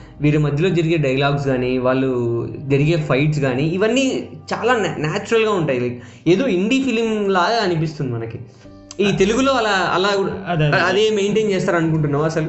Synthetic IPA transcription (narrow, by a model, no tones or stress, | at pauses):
ʋiːɾimɐd̪ʱjɐlo̞ːd͡ʒɐɾiɡe̞ːɖɐjɐlaːɡs̬ɡaːniʋaːɭːud͡ʒɐɾiɡe̞ːpʰɐjʈs̬ɡaːniːʋɐnːiːt͡ʃaːlaːnnaːt͡ʃuɾɐlɡaːuɳʈaːji | eːd̪oːiɳɖiːpilmlaːɐnip̬ist̪und̪imɐnɐki | iːt̪e̞luɡulo̞ːɐlaːɐ̰laːɡuɽɐd̪eːmejɳʈeːnt͡ʃeːst̪aːɾɐnuk̬uɳʈunːaːɐsɐl